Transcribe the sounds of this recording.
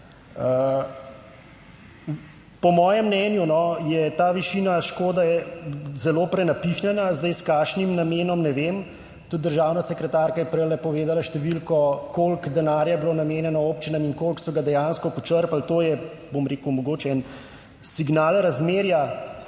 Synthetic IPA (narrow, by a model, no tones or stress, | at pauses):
ə | pɔmɔːjɛmːnɛːnjunɔjɛt̪aːʋiʃiːnaʃkoːd̪aɛzɛloːpɾɛnapixnɛnazd̪ɛjskaːʃnimnameːnɔmnɛʋem | t̪ud̪̚d̪əɾʒaːwnasɛkɾɛt̪aːɾkajɛpɾɛlɛpɔʋeːd̪alaʃt̪ɛʋilkɔkolkd̪ɛnaːɾjabloːnameːnjɛnɔoːpt͡ʃinamiŋkoːlksɔɡad̪ɛjanskɔpɔt͡ʃəɾpalt̪oːjɛ | bomɾeːkumɔɡoːt͡ʃɛɛn | siɡnaːlɾazmeːɾja